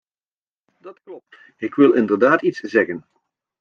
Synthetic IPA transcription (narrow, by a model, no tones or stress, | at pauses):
dɑtklɔp̚t | ɪkʋɪlˠɪndəɹdaːtitszɛɣən